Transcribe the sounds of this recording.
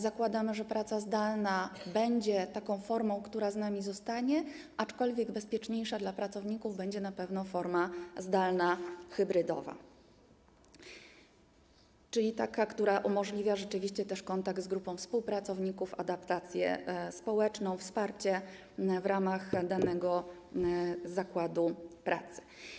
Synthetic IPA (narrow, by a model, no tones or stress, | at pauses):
zakwad̪amɘʐɛpɾat̪sazd̪alnabɛɲd͡ʑɛt̪akɔ̃w̃fɔɾmɔ̃w̃kt̪uɾaznamʲizɔst̪aɲɛ | ʔat͡ʂkɔlvʲjɛɡbɛspʲjɛt͡ʂɲejʂad̪lapɾat̪sɔvɲikuvbɛɲd͡ʑɛnapɛvn̪ɔfɔɾmazd̪alnaxɘbɾɘd̪ɔ̰va̰ | t͡ʂɘlʲit̪akakt̪uɾaʔumɔʐlʲivʲjaʐɛt͡ʂɘvʲiɕt͡ɕɛt̪ɛʂkɔnt̪aɡ̚d̪zɡɾupɔ̃w̃fspuwpɾat̪sɔvɲikufa̰d̪apt̪at̪sʲjɛ̰spɔwɛt͡ʂnɔ̃w̃fspaɾt͡ɕɛ | vɾamaxd̪anɛɡɔ | zakwad̪upɾʔa̰t̪sɘ̥